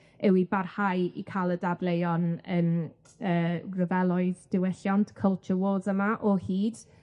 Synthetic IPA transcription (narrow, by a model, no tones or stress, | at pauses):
ɛwibarhajḭkʰalˠədablejɔnən | əːrəvɛlˠɔɨðd̥ɪwɛɬjɔntʰkʰəlˠt͡ʃʰəwoðəmaʔɔhiːd̥